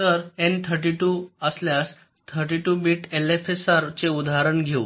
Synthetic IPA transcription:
əɾent̪ʰəɾʈiʈuəsljas | t̪ʰəɾʈiʈubiʈelefesaɾt͡seud̪aɦaɾəɳɡʱeṵ

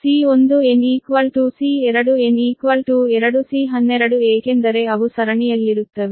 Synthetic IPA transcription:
siːond̪ueniːkʋɐlʈuːsiːeɾɐɽueniːkʋɐlʈuːeɾɐɽusiːɦɐnːeɾɐɽueːkend̪ɐɾeɐʋusɐɾɐɳiɐlːiɾut̪ːɐʋi

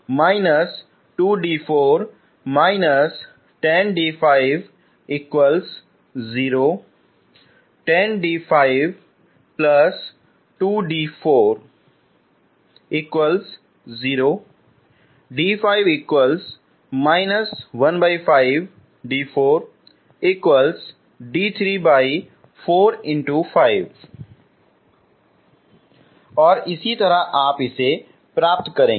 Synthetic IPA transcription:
maɪnəs | ʈuːɖiːfoːɾ | maɪnəs | ʈẽnɖiːfaɪʋ | ikʋəls | ziːɾoː | ʈẽnɖiːfaɪʋ | plɐs | ʈuːɖiːfoːɾ | ikʋəls | ziːɾoː | ɖiːfaːɪʋiːkwəls | maːɪnəsʋɐnbaːɪfaːɪʋ | ɖiːfoːɾ | iːkwəls | ɖiːt̪ʰɾiːbaːɪ | foːɾɪ̃ɳʈufaːɪʋ | ɔːɾɪsit̪ɐɾaʔaːpɪse | pɾaːp̚t̪kɐɾẽː

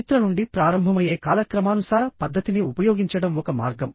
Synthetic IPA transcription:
t̪ɾɐnuɳɖipɾaːɾɐmbʱɐmɐjeːkaːlɐkɾɐmaːnusaːɾɐpɐd̪ːɐt̪iniupɐjoːɡiɲt͡ʃɐɽɐmɔkɐma̰ːɾɡɐm

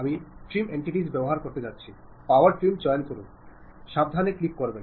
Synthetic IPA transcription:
amiʈɾimeɳʈiʈid͡ʑbɛboɦaɾkoɾt̪ed͡ʑatːɕʰi | pawaɾʈɾimd͡ʑɔenkoɾun | ʃab̚d̪ʱaneklip̚koɾben

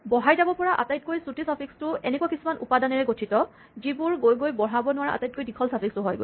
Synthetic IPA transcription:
bɔɦajzabɔpɔɹaʔa̰tajt̚kojsutʰisapʰikstʊɛnɛkuwakisumanʔupadanɛɹɛɡotʰitɔ | zibʊɹɡojɡojbɔɦabɔnʊwaɹaa̰tajt̚kojdikʰɔlsapʰikstʊɦɔjɡo̰j

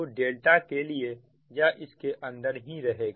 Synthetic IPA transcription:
oɖeːlʈakelie | jaʔɪskeʔɐ̃nd̪əɾɦĩɾɐɦeːɡa

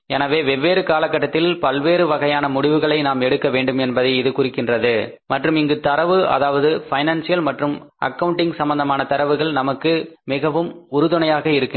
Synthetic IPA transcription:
ɛnaːʋeːʋɛʋːeːɾɯkaːlɐkːɐʈːɐt̪ːɪlpɐlʋeːɾɯʋɐɣɐjaːnɐmʊɽɪʋɯɣɐɭɐɪnaːmɛɽɯkːɐʋeːɳɖɯmɛnbɐðɐɪɪðɯkʊrɪkːɪndrɐðɯ | mɐʈrɯmɪŋɡɯt̪ɐɾɐʋɯɐ̰ðaːʋɐðɯfɐɪnaːnsɪjɐlmɐʈrɯmʔɐ̰kːɐʋɯɳʈɪŋɡsɐmbɐnd̪ɐmaːnɐt̪ɐɾɐʋɯɣɐɭnɐmɐkːɯmɪɣɐʋɯmʊɾɯðɯɳɐjaːɣɐɪɾɯkːɪ

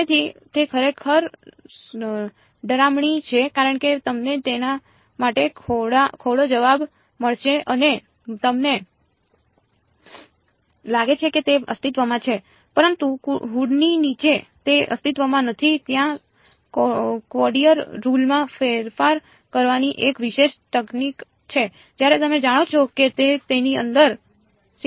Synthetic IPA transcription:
et̪ʰit̪ekʰəɾekʰəɾ | ɖəɾamɳit͡ʃʰekaɾəɳket̪əmnet̪ena | maʈekʰoɽakʰoɽod͡ʒəʋab | məɭʃeʔəne | t̪əmne | laɡet͡ʃʰeket̪eʔə̰st̪it̪ʋəmãt͡ʃʰe | pəɾənt̪uɦuɽninit͡ʃet̪eʔə̰st̪it̪ʋəmãnət̪ʰit̪jã | kkʋɔɖijəɾːulmãfeɾfaɾ | kəɾʋaniʔekʋiʃeʃt̪əknik | t͡ʃʰe | d͡ʒjaɾet̪əmed͡ʒaɽ̃ot͡ʃʰoket̪et̪eniə̰nd̪əɾ

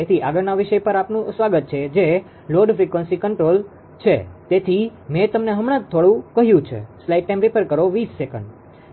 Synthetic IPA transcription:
et̪ʰiʔaɡəɾnaʋiʃəjpəɾapnũsʋaɡət̪̚t͡ʃʰed͡ʒe | loɖfɾikʋənsikəɳʈɾol | t͡ʃʰḛt̪et̪ʰimet̪əmneɦəmɽ̃ãd͡ʒ̚t̪ʰoɽũkəɦjũt͡ʃʰḛslaiʈ̚ːaj̃mpipəɾkəɾoʋisːekəɳɖ

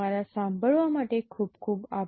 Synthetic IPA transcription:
alasãmbʱəɭʋamaʈekʰuːpkʰuːba

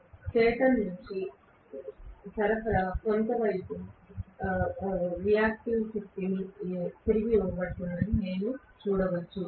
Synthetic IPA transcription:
t͡ʃɛːʈɐnnuɲt͡ʃi | t̪ɐɾɐfɐɾɐkont̪ɐʋɐjpu | ɾijaːk̚ʈiʋsit̪ːi | t̪iɾiɡiuːɐbɐɽt̪unːɐnineːnu | t͡ʃuːɽɐʋɐt͡ʃːu

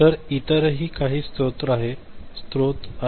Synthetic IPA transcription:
t̪əɾit̪əɾɦiːkaɦiːst̪ɾot̪ɾaɦe | st̪ɾot̪a

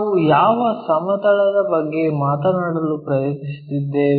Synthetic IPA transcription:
ujaːʋɐsɐmɐt̪ɐɭɐd̪ɐbɐɡːe̞maːt̪ɐnaːɽɐlupɾɐjɐt̪nist̪id̪ːeːɾ

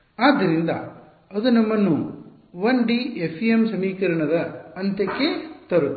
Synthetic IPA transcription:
aːd̪ːɐɾind̪ɐ̰ | ɐd̪unɐmːɐnːu | ʋɐnɖiepʰːiemsɐmiːkɐɾɐɳɐd̪ɐɐnt̪ɐkːet̪ɐɾu

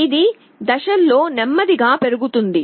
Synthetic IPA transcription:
id̪i | d̪ɐʃɐlːo̞ːnɛmːɐd̪iɡaːpe̞ɾuɡut̪und̪i

